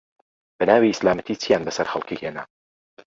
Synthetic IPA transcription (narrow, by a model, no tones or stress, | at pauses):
b̥ɛnaːwiislaːmət̪ʰit͡sʰijaːnbɐsɐɾxɐ̰lˠkiheːna